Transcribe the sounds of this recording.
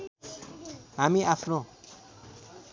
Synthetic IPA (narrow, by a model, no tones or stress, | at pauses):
ɦamiʔapʰnõ